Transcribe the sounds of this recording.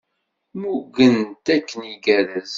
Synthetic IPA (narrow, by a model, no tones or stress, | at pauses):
muɡənt̪ækːəniɡæɾæz